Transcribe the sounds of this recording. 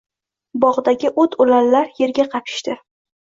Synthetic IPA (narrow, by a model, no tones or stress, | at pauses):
bɒʁd̪aɡʲɪʔot̪ʰʊlalːaɾje̞ɾɡʲaqʰɑpʰɪ̥ʃt̪ɪ